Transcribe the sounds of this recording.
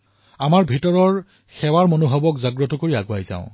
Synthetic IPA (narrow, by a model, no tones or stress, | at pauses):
amaɹbʱitɔɹɔɹ | xɛwaɹmonoɦɔbɔkzaɡɹɔtɔkoɹiaɡʊajzã̰ʊ̃